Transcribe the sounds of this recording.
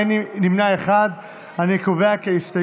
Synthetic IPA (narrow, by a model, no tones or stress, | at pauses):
ninimnaeχad̪ | anikoveakeift̪a